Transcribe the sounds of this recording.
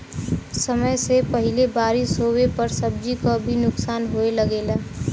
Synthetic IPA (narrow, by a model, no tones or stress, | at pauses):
səməjsepəɦɪlebaːɾisoːwepəɾsəb̚d͡ʒikabʱinʊksaːnɦoeləɡeːlaː